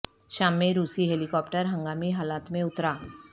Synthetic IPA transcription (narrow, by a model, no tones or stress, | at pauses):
ɕamːẽɾuːsiɦelikɔpʈəɾɦə̃ŋɡamiɦalat̪mẽʊt̪ɾa